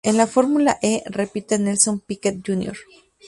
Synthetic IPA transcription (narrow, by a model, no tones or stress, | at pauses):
enlafo̞ɾmulaʔerepit̪enelsompiket̪̚d͡ʒunjo̰ɾ